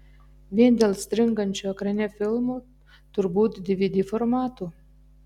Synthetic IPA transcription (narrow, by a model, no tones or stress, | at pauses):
vʲinʲd̪ʲelst̪ɾɨŋɡənt͡ʃɔkɾɛnʲefilˠmu | t̪urbud̪d̪ivid̪ʲiformat̪u